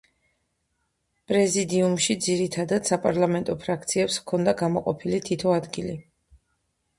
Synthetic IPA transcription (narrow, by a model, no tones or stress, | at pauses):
pʼɾɛzid̪iumʃid̪ziɾit̪ʰad̪ad̪̥sapʼaɾlˠamɛnt̪ʼɔpʰɾakʰt̪sʰiɛpskʰɔnd̪aɡamɔqʼɔpʰilit̪ʰit̪ʰɔad̪ɡili